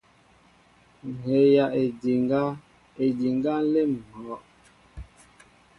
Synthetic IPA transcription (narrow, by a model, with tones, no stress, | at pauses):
he˨˦ja˨ʔe˨di˨ŋɡa˦ | e˨di˨ŋɡa˦le˦m̩˨hɔ˨˦ʔ